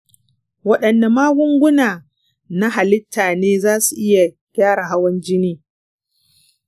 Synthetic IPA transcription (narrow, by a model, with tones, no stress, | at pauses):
wɐ˦ɗɐ˨nda˨maː˦ɡʷʊ˦ŋɡʷʊ˦naː˨ | na˦ɦa˨lɪ˦tʰːaː˨neː˦zaː˦su˨ʔɪ˦ja˨ | kʲaː˦ɽa˨ɦa˦wɐ˦nd͡ʒɪ˦niː˦